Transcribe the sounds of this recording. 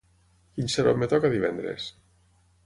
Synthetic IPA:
kinseɾo̰mːet̪ɔkaðiβɛnd̪ɾḛs

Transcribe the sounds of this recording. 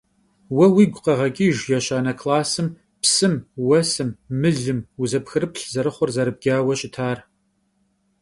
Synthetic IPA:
wɐwiːɡʷqɐʁɐɡʲʼiːʒjɛɕaːnɐkʰlaːsɨm | psɨmwɐsɨmːɨɮɨmuzɐpxɨrɨpɬzɐɾɨχʷɔrzɐɾɨb̚ɡ̥ʲaːwɐɕʼɪtʰaːr

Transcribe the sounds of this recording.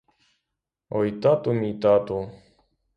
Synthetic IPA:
ojt̪at̪umit̪at̪o

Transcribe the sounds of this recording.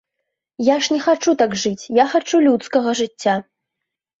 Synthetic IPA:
jaʂnʲɛxat͡ʂut̪aɡʐɨt͡sʲjaxat͡ʂulʲut̪skɐɣɐʐɨt͡sʲːa

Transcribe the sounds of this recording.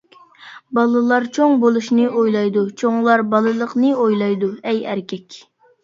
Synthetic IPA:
bɑlˠɨlˠɑɾt͡ʃʰoŋbolˠuʃnɨʔojlˠɑjd̪ut͡ʃʰoŋlˠɑɾbɑlˠɨlˠəqnɨojlˠɑjd̪uɛjæ̰ɾkʲɛkʲ

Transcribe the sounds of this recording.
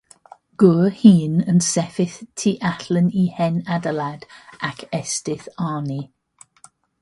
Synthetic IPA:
ɡ̥ʊhiːnənsɛfɪθtʰiʔaɬənihɛnadəlad̥akʰɛstɪθɑːni

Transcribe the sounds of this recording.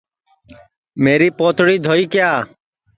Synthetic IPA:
meːɾiːpoːt̪ʰɽiːd̪ʱoːiːkɪjaː

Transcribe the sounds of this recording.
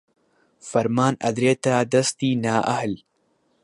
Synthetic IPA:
fɐɾmaːnɐd̪ɾeːt̪aːd̪ɐst̪iːnaːʔɐ̰hl

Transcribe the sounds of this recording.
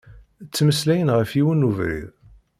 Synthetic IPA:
t͡sːməslæjənʁəfiwənuvɾḭð

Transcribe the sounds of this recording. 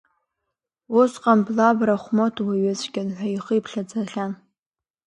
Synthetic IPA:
osqʼamblabraχʷmotʰwaɥazʼɡʲɪnħʷaiχəipʰɬad͡zaɬan

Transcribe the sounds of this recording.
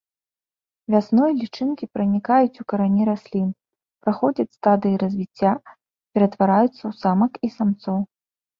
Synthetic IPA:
vʲasnɔjɐlʲit͡ʂɨnkʲipɾɐnʲikajut͡sʲukɐɾanʲiɾasʲlʲin | pɾaxɔd͡zʲɐt͡sʲst̪ad̪ɨjiɾɐzʲvʲit͡sʲːa | pʲɛɾɐt̪vaɾajut̪sːɐwsamɐkisamt̪sɔw

